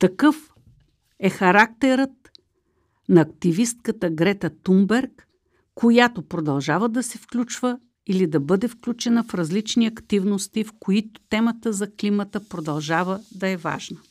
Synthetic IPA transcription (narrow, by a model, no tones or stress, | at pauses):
t̪ɐkɤf | ɛxɐɾak̚t̪ɛɾət̪̚ | nɐːkt̪ivist̪̚kət̪əɡɾɛt̪ɐt̪umbɛɾkː | ojat̪opɾod̪ɐlˠʒavəd̪ɐsɛfklʲut͡ʃvə | ilid̪ɐbɤd̪ɛfklʲut͡ʃɛnəfɾɐzlit͡ʃniɐkt̪ivnost̪ifkoit̪ʊ̥t̪ɛmət̪əzɐklimət̪əpɾod̪ɐlˠʒavəd̪ɐɛva̰ʒnə